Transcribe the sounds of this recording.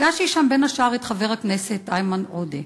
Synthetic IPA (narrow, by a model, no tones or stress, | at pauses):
ɡaʃiʃambenhaʃaʁet̪χaveʁhakneset̪ajmanʔode